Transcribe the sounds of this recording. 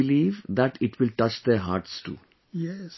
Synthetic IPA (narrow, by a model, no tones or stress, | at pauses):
ɪliːʋd̪æʈɪʈʋɪlʈʌt͡ʃd̪eɾɦaːɾʈsʈṵː | jɛs